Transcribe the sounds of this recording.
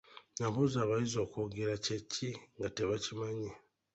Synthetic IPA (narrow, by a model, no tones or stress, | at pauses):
naβuzaːβajizo̞ːkoɡeɾaceciŋɡateβacimaɲi